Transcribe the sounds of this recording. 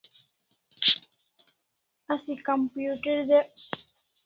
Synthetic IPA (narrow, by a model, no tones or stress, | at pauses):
ɐsĩkəmpjuːʈəɖd̪e